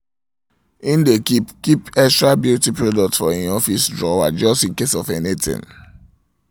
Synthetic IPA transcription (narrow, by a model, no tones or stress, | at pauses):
ĩndekipkipɛstɹabjutipɹodɔk̚tsfɔĩnɔfisdɹɔa̰d͡ʒɔstĩnkesɔfɛnitḭ̃n